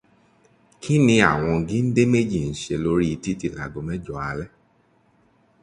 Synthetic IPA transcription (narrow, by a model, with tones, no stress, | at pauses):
kʰi˦nĩ˧a˨w̃ɔ̃˧ɡĩ˦n̩˦de˦me˦d͡ʒi˦˨n̩˦ʃe˧lo˦ɾi˦i˧ti˦ti˧˨la˨ɡo˨˧mɛ̃˦d͡ʒɔ˨a˧˨lɛ˦